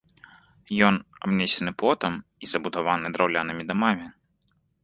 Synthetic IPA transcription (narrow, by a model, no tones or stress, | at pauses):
jɔnabnʲɛsʲɛnɨpɔt̪ɐmizɐbud̪avanɨd̪ɾawlʲanɨmʲid̪amamʲi